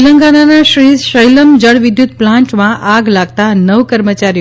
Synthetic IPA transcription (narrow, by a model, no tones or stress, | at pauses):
ləŋɡananaʃɾiʃəjləmd͡ʒəɽʋɪd̪jut̪̚plãɳʈmãʔaɡlaɡ̚t̪anəʋkəɾmət͡ʃaɾij